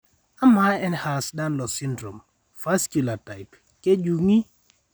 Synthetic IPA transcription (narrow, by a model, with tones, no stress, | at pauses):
a˦ma˦ɛ˦nha˨sda˦nlɔ˨sɪ˦ndɾo˨m | fa˦skju˨la˨ta˨ɪ˨p | ke˦d͡ʒu˨ŋi˦